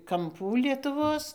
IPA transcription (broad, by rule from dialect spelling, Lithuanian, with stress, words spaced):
kɐmˈpuː lʲiɛtʊˈʋoːs